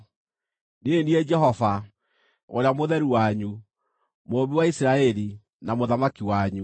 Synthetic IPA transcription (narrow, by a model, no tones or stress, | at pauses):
neniɛd͡ʒɛhɔva | oɾeamoðɛɾuwaɲu | moːβiwaisɾaɛli | namoðamakiwaɲu